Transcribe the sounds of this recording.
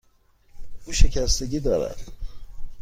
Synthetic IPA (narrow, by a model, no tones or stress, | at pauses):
uːʃecʰæst̪eɟiːd̪ɒːɾæ̰d̪̥